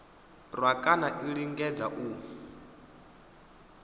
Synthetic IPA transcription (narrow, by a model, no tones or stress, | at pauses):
rwakʼanaʔiɺiŋɡɛd͡zaʔu